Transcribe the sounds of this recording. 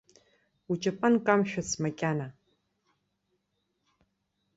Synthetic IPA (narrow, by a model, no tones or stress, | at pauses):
ut͡ʃʼɐpʼɐnkʼamɕᶣʷʊsmɐkʲʼaːna